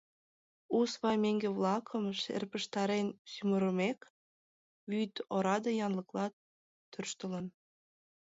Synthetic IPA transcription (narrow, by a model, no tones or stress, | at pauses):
usβɑjmeŋɡeβlɑkʰəmʃḛrpəʃt̪ɑɾensyməɾəmek | βyt̪oɾɑd̪əjɑnləklɑ | t̪ːørʃt̪ələn